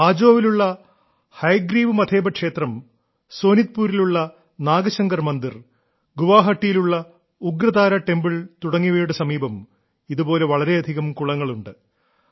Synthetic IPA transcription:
aːd͡ʑo̞ːʋiluɭːɐ | hɐjɡɾiːʋɨmɐd̪ʰʱe̞ːbɐkʂe̞ːt̪rɐm | so̞ːnit̪puːɾiluɭːɐ | naːɡɐɕɐŋɡɐrmɐnd̪ir | ɡuʋaːɦɐʈːijiluɭːɐ | uɡɾɐðaːɾɐʈe̞mbiɭt̪uɽɐŋːiʋejɽɨsɐmiːbɐm | iðubo̞ːle̞ʋɐɭɐɾe̞ɐd̪ʱiɣɐmkuɭɐŋːɐɭuɳɖɨ

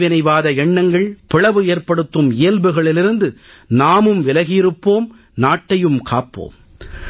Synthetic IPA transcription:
ʋɪnɐɪʋaːðɐɛɳːɐŋɡɐɭpɪɭɐʋɯeːɾpɐɽɯt̪ːɯmɪjɐlbɯɣɐɭɪlɪɾɯnd̪ɯ | naːmɯmʋɪlɐɣɪɪɾɯpːoːm | naːʈːɐjɯmkʰa̰ːpːo̰ːm

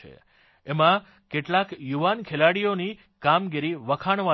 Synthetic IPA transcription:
ḛ | emã | keʈlakjuʋankʰelaɽijoni | kamɡiɾiʋəkʰaɳ̃ʋa

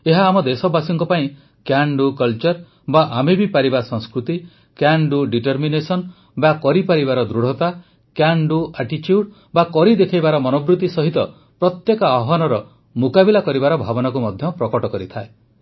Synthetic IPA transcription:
eɦaːmɔd̪esɔbasɔŋkɔpaĩ | kjaɳɖukɔlt͡ʃɔɾ | baʔamebipaɾibasɔ̃ŋskɾut̪i | kjaɳɖuɖiʈɔɾminesɔn | bakɔɾipaɾibaɾɔd̪ɾuɽ̤ɔt̪a | kjaɳɖuaʈit͡ʃjuɖ | bakɔɾid̪ekʰajbaɾɔmɔnɔbɾut̪isɔɦit̪ɔ | pɾɔt̪jekɔaɦɔnɔɾɔ | mukabilakɔɾibaɾɔbʱabɔnakumɔd̪ʱjɔpɾɔkɔʈɔkɔɾit̪ʰae

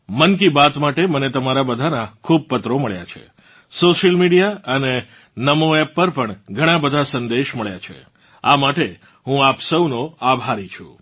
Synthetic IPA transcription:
mənkibat̪maʈemənet̪əmaɾabəd̪ʱanakʰub̚pət̪ɾoməɭja̰t͡ʃʰḛ | soʃəlmiɖijaəne | nəmoɛpːəɾpəɳɡʱəɽ̃ãbəd̪ʱasənd̪eʃməɭjat͡ʃʰḛ | amaʈe | ɦũapsəwnoabʱaɾit͡ʃʰũ

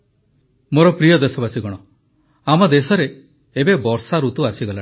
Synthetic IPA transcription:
moɾɔpɾijɔd̪esɔbasiɡɔɽ̃ɔ | amɔd̪esɔɾeː | bebɔɾsaɾut̪uasiɡɔla

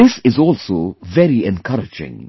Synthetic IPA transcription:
ɪsɪzɔlˠsovɛɾiɛ̃nkʰʌɾɪd͡ʒɪ̰̃ŋ

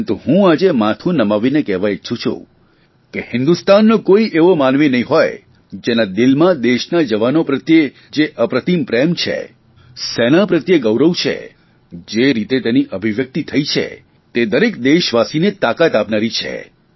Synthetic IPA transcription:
nt̪uɦũad͡ʒemat̪ʰũnəmaʋinekɛʋajt͡ʃʰũt͡ʃʰṵ̃ | kehɪ̃nd̪ust̪anːokoiʔeʋomanʋenəɦĩɦɔj | d͡ʒenad̪ɪlmãd̪eʃnad͡ʒəʋanopɾət̪je | d͡ʒeʔəpɾət̪impɾemt͡ʃʰḛ | senapɾət̪jeɡəwɾəwt͡ʃʰḛ | d͡ʒeɾit̪et̪eniʔəbʱiʋjək̚t̪it̪ʰəit͡ʃʰḛ | t̪ed̪əɾekd̪eʃʋasinet̪akat̪apnaɾit͡ʃʰḛ

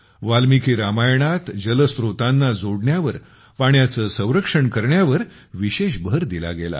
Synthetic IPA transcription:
ʋalmikʰiːɾamajɳat̪d͡ʑələsɾot̪anːad͡zoɽɳjaʋəɾ | paɳjat͡səːsə̃w̃ɾəkʂəɳkəɾɳjaʋəɾ | ʋiɕeɕbʱəɾd̪ila̰ɡela̰

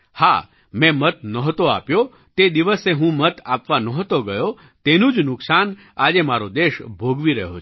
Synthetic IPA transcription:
ha̰ | mɛ̃mət̪nəɦt̪oa̰pjo | t̪ed̪iʋəseɦũmət̪apʋanəɦt̪oɡəjo | t̪enũd͡ʒnʊksan | ad͡ʒemaɾod̪eʃbʱoɡʋiɾəɦot͡ʃʰ

